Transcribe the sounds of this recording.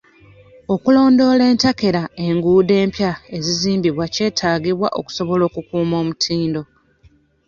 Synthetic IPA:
o̞kulo̞ːndo̞le̞ːntake̞ɾae̞ŋɡuːde̞ːmpjae̞ziziːmbiβwace̞ːtʰaːɡiβwa̰ʔo̞̰ku̥so̞βo̞lo̞ːkukuːmo̞ːmutʰiːndo̞

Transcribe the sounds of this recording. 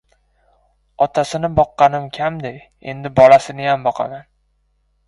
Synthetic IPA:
ɒt̪ʰasɪnɪbɒqːɑnɪmkʲʰamd̪ej | e̞̰nd̪ɪbɒlˠasɪnɪjambɒqʰɑ̰man

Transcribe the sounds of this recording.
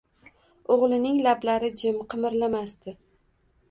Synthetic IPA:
oʁlˠɪnɪŋlablaɾɪd͡ʒɪmqʰɨmɪɾlamast̪ɪ

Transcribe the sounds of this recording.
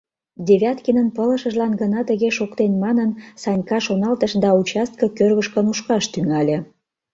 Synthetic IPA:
d̪ʲeβʲɑt̪kinənpələ̆ʃə̆ʒlɑnɡənɑt̪əɣeʃokt̪enmɑnənsɑnʲkɑʃonɑlt̪əʃd̪ɑut͡ɕɑst̪̚kɤ̆kørβəʃkənuʃkɑʃt̪yŋɑlʲe

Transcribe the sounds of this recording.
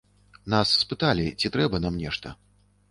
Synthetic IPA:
nasːpɨt̪alʲit͡sʲit̪ɾɛbɐnamnʲɛʂt̪ɐ

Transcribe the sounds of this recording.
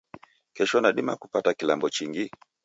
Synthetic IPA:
kɛʃɔnaɗima̰kupatakilambɔt͡ʃiŋɡi

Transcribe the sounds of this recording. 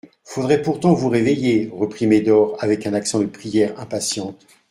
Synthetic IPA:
fod̪ʁɛpuʁt̪ɑ̃vuʁevejeʁəpχimed̪ɔʁavɛkɛ̃naksɑ̃d̪əpχijɛʁɛ̃pasjɑ̃t̪

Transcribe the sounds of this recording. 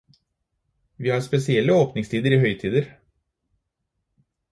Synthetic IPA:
ʋiːhɑːɾspɛsɪɛlːəoːpnɪŋst̪ʰiːd̪əɾiːhœʏt̪ʰiːd̪əɾ

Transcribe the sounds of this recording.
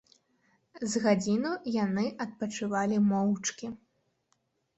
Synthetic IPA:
zɣad͡zʲinujanɨʔɐt̪̚pɐt͡ʂɨvalʲimɔwt͡ʂkʲi

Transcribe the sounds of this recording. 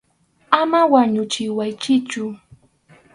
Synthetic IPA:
amawaɲʊt͡ʃɪwajt͡ʃɪt͡ʃʊ

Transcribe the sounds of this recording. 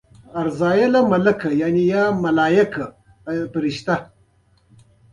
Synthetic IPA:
ɐɾzaːjelɐmɐlɐkɐjanijaːmɐlaːjɐka | pɾiʃt̪a

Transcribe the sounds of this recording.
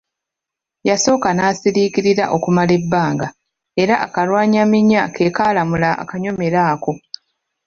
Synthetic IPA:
jaso̞ːkanaːsiɾiːkiɾiɾa̰ʔo̞kumale̞bːaːŋɡa | e̞ɾaʔakalwaːɲamiɲːakʰe̞ːkaːlamulaa̰kaɲo̞me̞ɾaːko̞

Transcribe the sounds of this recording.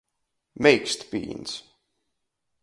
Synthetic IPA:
mɛjkst̪pḭːns

